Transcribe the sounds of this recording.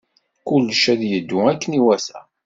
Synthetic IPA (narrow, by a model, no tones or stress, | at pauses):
kʊlːʃæðjəd̪ːʊækːəniwæsæ̰